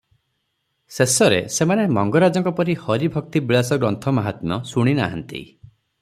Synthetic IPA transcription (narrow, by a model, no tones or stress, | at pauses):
sesɔɾḛsemanemɔŋɡɔɾad͡ʒɔŋkɔpɔɾihɔɾibʱɔk̚t̪ibiɭasɔɡɾɔnt̪ʰɔmaɦat̪mɔsuɽ̃ina̰ɦɔ̰nt̪ḭ